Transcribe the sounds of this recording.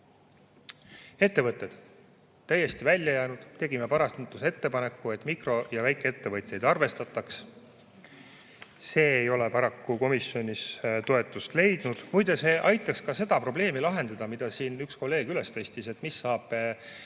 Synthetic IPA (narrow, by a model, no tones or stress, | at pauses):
e̞t̪ːe̞vɤt̪ːˑe̞d̪̥ | t̪ːæjːe̞st̪ivælʲːjɑjæːnud̪̥t̪e̞ɡime̞pɑɾɑst̪nt̪ːˑuse̞t̪ːe̞pɑne̞kːˑue̞t̪ːˑmikro̞jɑvæjkːˑeet̪ːe̞vɤt̪ʲjejd̪ɑrve̞st̪ɑt̪ːˑɑks | se̞ːejo̞le̞pɑɾɑkːuko̞misjo̞nʲist̪o̞e̞t̪ːˑust̪le̞jd̪̥nud̪̥mujd̪ɑse̞ːʔɑjt̪ːˑɑkskɑse̞d̪̥ɑpro̞ble̞ːmilɑɦe̞nd̪̥ɑd̪̥ɑmid̪̥ɑsiːnyksko̞lːe̞ːɡ̥yle̞st̪e̞st̪ise̞t̪ːmisːɑːb̥